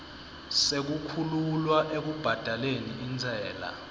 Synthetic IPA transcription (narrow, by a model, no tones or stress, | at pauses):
sek̬ukʰululwaʔek̬ub̥ʱad̥ʱaleniind͡zʱɛːla̰